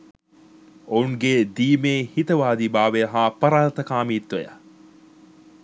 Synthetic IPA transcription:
ouŋɡed̪iːmeːhit̪ɐʋaːd̪iːbaːʋejɐɦaːpɐɾaːlt̪ɐkaːmiːt̪ːɐja̰

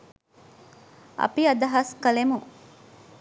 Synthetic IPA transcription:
ʔɐ̰piɐd̪ɐɦɐskɐlemu

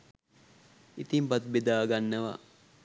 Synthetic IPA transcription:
it̪impat̪bed̪aːɡanːəʋa̰

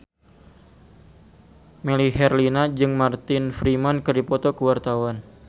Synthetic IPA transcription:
meliɦɛrlinad͡ʒɨŋmart̪ɪnfɾimankɨrdipɔt̪ɔkuwart̪awan

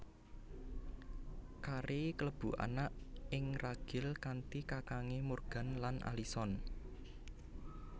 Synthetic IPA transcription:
kaɾekələb̥ṳʔa̰naʔɪŋraɡ̥ɪ̤lkant̪ikakaŋemorɡ̥a̤nlanʔa̰lisɔn

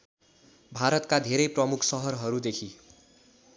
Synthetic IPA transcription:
bʱaɾʌt̪kad̪ʱeɾʌjprʌmukʰsʌɦʌrɦʌɾud̪ekʰi

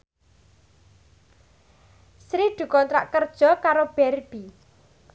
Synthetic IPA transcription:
sɾid̪̥ṳkɔnt̪ɾa̰ʔkərd̥ʒ̥ɔ̤kaɾob̥ɛrb̥i

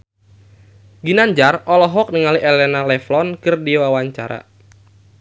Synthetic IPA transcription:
ɡinaɲd͡ʒarɔlɔɦɔk̚niŋaliʔɛlɛnalɛflɔnkɨrdiwawaɲt͡ʃaɾa̰

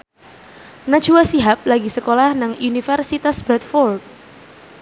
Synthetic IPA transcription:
nḁd͡ʒuwasiɦap̚laɡisəkolahnaŋunifərsit̪asb̥ɾɛt̪̚fɔrt̪̚

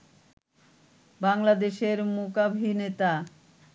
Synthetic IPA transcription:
baŋlad̪eʃeɾmokabʱinet̪a

